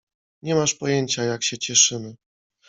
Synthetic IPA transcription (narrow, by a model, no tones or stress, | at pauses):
ɲɛmaʂpɔjeɲt͡ɕajakɕɛt͡ɕɛʂɘmɘ